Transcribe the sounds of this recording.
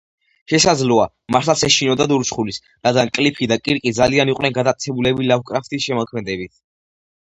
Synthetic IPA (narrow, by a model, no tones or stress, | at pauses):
ʃɛsad̪zlɔa | maɾt̪ʰlasɛʃinɔd̪ad̪uɾt͡ʃχulis | ɾad̪ɡankʼlipʰid̪akʼiɾkʼid̪zalianiqʼwnɛnɡad̪at̪sʰɛbulɛbilavkʼɾaft̪ʰʼisʃɛmɔkʰmɛd̪ɛbit̪ʰ